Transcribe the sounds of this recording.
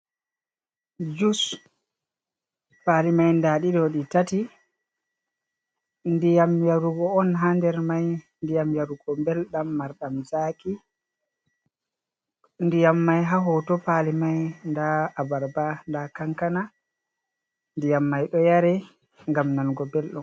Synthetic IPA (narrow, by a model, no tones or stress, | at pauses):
d͡ʒus | palimajndaɗidɔɗitati | ndijamjaɾuɡɔɔnɦandɛɾmaj | ndijamjaɾuɡɔmbɛlɗamːaɾɗamzaːkʰi | ndijamːajɦaɦɔtɔpalimajndaːbaɾbandakaŋkana | ndijamːajɗɔjaɾɛ | ŋɡamnanɡɔbɛlɗɔm